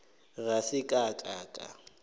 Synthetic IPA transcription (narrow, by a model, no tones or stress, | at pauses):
rasɪkʼakʼaːkʼa̰